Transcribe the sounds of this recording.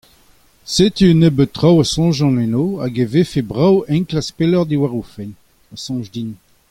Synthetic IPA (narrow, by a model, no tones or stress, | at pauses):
set̪ynəbət̪ːʁawasɔ̃ʒɑ̃nɛnoaɡevefebʁawɛ̃nklaspelɔʁd̪iwaʁufɛn | asɔ̃ʒdin